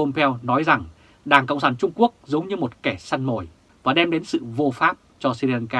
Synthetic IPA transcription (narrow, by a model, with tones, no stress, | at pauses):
o˧mpʰɛ˧wnɔ˨˦jza˨˩ŋ | ɗaː˧˩ŋkə̰˧˨wŋ͡msaː˧˩nt͡ɕʊ˧ŋ͡mku˦˥ək̚zə˨˦wŋ͡mɲɨ˧mo˨˩t̚kɛ˧˩sa˧nmo̰˧˩j | vaː˨˩ɗɛ˧mɗe˨˦nsɨ̰˧˨vo˧faː˦˥p̚t͡ɕɔ˧si˧lɛ˧nkaː˧